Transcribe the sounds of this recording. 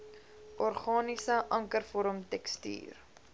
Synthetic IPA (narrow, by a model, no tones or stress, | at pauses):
ʔɔrχɑːnisəʔɐŋkərfɔɾəmtɛksty̰ːr